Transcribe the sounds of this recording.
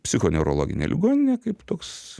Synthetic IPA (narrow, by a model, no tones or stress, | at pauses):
pʲsʲɪxoːnʲɛʊɾo̰lˠo̰ːɡʲɪ̰nʲḛːlʲɪɡoːnʲɪnʲeːkɐɪpt̪oːks